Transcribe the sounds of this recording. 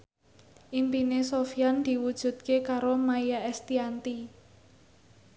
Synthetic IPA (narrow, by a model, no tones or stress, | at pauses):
ʔimpinesofijand̪̥i̤wud̥ʒ̥ṳd̪̚kekaɾomaijaɛst̪iant̪i